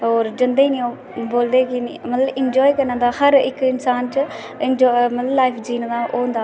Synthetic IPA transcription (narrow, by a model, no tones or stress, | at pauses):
oːɾd͡ʒɪnd̪eiːnĩːoː | boːld̪eːkɪmət̪ləbɪnd͡ʒɔːiːkəɾãːd̪aːhəɾɪkɪnsaːnt͡ʃ | ɪnd͡ʒmət̪ləblaːɪpʰd͡ʒiːnd̪aːʔoːnd̪aː